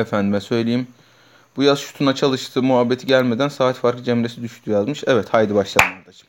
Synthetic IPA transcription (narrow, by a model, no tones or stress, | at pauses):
efænd̪imɛsø̞jlʲejim | b̥ujazʃu̥t̪ʰunat͡ʃʰalˠɯʃt̪ʰɯːmuɦabːet̪ʰiɟælʲme̞d̪ænsaːt̪faɾk̪ˠɯd͡ʒemɾesid̪yʃt̪ʰyjazmɯʃɛvɛt̪hajd̪ibaʃlˠad̪ɯmd̪at͡ʃʰɯ̥m